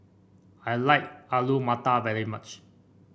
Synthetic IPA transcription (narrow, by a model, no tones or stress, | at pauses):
ajlaɪk̚alumatavɛɹimat͡ʃ